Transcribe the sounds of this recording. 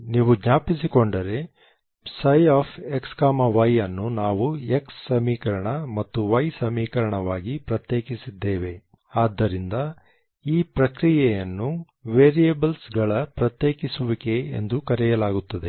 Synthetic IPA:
niːʋuɡɲaːpisikoɳɖɐɾe̞ | sɐjaːpʰekskaːmɐʋɐjːɐnːunaːʋueksːɐmiːkɐɾɐɳɐmɐt̪ːuʋɐjsɐmiːkɐɾɐɳɐʋaːɡipɾɐt̪jeːkisid̪ːeːʋe̞ | aːd̪ːɐɾind̪ɐ | iːpɾɐkɾijɛjɐnːu | ʋeːɾijebɐlsɡɐɭɐpɾɐt̪jeːkisuʋike̞̰ːnd̪ukɐɾɛjɐlaːɡut̪ːɐd̪e̞

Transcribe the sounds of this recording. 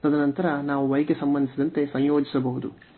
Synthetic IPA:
t̪ɐd̪ɐnɐnt̪ɐɾɐnaːʋuʋɐjɡesɐmbɐnd̪isid̪ɐnt̪e̞sɐjjoːd͡ʒisɐbɐɦud̪u

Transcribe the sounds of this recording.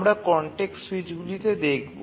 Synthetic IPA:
mɾakɔɳʈeksuwid͡ʑɡulit̪ed̪ekʰbo̰

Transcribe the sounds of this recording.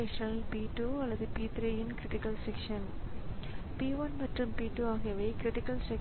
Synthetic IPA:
ekʂɐnilpiːʈːuːɐlːɐðɯpiːt̪ɾiːjinkɾɪʈikːɐlsekʂɐn | piːʋɐnmɐʈrɯmpiːʈːuaːɣijɐʋeɪkɾɪʈikːɐlse

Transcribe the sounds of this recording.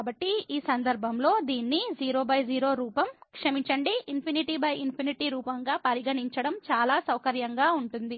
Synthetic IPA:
bɐʈːiiːsɐnd̪ɐɾbʱɐmlo̞ːd̪iːnːid͡ʒiːɾo̞ːbɐjd͡ʒiːɾo̞ːɾuːpɐmkʂɐmiɲt͡ʃɐɳɖiːnpʰiniʈibɐjinpʰiniʈiːɾuːpɐŋɡaːpɐɾiɡɐɳiɲt͡ʃɐɽɐmt͡ʃaːlaːsɐwkɐɾjɐŋɡaːuɳʈund̪i

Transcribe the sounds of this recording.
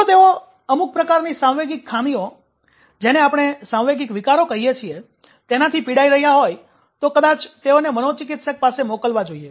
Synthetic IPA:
ot̪eo | əmuk̚pɾəkaɾnisãwʋeɡikʰːamio | d͡ʒeneapɽ̃esãʋʋeɡikʋikaɾokəɦijet͡ʃʰie | t̪enat̪ʰipiɽaiɾəɦjaɦoj | t̪okəd̪at͡ʃt̪eonemənot͡ʃɪkɪt̪ʃək̚pasemokəlʋad͡ʒoie

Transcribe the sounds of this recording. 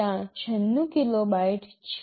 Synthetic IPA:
ãt͡ɕʰənːũkilobaiʈt͡ɕʰ

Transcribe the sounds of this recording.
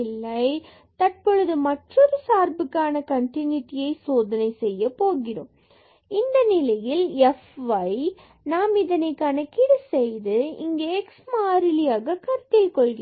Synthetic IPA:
ɪlːɐɪ | t̪ɐʈ̚pɔɻɯðɯmɐʈrɔɾɯsaːɾbɯkːaːnɐkɐɳʈɪnjiʈɪjɐɪsoːðɐnɐɪsɛjːɐpoːɣɪro̰ːm | ɪnd̪ɐnɪlɐjɪlɛfʋɐɪ | naːmɪðɐnɐɪkːaːnɐkɪɽɯsɛjðɯɪ̰ŋɡeɛksmaːɾɪlɪjaːɣɐkɐɾt̪ːɪlkɔɭɡɪ

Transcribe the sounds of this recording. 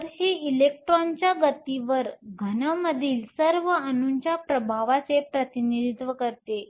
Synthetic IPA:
ɾɦiilek̚ʈɾɔnt͡ɕjaɡət̪iʋəɾɡʱənəməd̪ʱiːlsəɾʋəənuɲt͡ɕjapɾəbʱaʋat͡sepɾət̪inid̪it̪ʋəkəɾt̪e

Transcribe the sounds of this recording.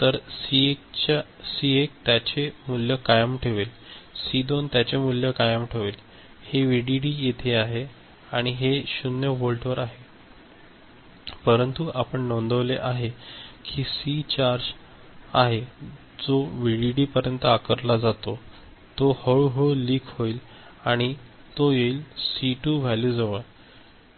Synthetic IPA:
t̪əɾsit͡ɕ | siek̚t̪jat͡ɕemuljəkajəmʈʰeʋelsid̪ont̪jat͡ɕemuljəkajəmʈʰeʋel | heʋiɽiɽiːjet̪ʰeaɦe | aɽ̃iɦeɕunjəʋolʈʰʋəɾaɦe | pəɾənt̪uʔapəɳnõnd̪əʋleʔaɦekʰiːsit͡ɕaɾd͡ʑ | aɦe | d͡zoʋiɽiɽiːpəɾjənt̪akəɾlad͡zat̪o | t̪ohəɭuɦoliːkʰɦoil | aɽ̃i | t̪ojeiːlsiʈuːʋʱaljuːd͡zəʋə

